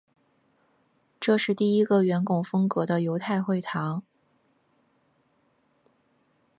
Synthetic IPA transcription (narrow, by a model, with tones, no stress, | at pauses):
ʈ͡ʂɤ˥˧ʂɻ̩˥˧t̪i˥˩i˥ɡə˨ɥɛ˧˥nkʊ˨˩ŋfɤ˥ŋkɤ˧˥d̪ə˧jo˧˥ʊt̪ʰa˥˧ɪxwe˥˩ɪt̪ʰɑ˧˥ŋ